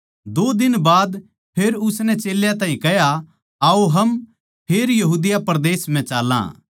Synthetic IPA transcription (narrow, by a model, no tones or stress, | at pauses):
d̪oːd̪ɪnbaːd̪ | pʰeːɾʊsnɛt͡ʃeːljãt̪aːɦĩkɛja | aːoɦɐm | pʰeːɾjɐɦuːd̪ɪjapɐɾd̪eːsm̤ɛ̃t͡ʃaːlːã̰ː